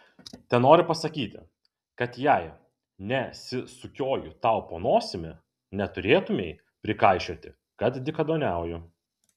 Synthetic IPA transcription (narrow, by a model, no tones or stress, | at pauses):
t̪ʲɛnoːɾʲɪpɐsɐkʲiːt̪ʲɪ̰ | kɐt̪jɛɪ | nʲɛsʲɪsʊkʲoːjʊt̪ɐˑʊpoːnoːsʲɪmʲɪ | nʲɛt̪ʊɾʲeːt̪ʊmʲeɪ | pʲɾʲɪkɐɪʃʲoːt̪ʲɪ | kɐt̪d̪ʲɪkɐd̪oːnʲæˑʊjʊ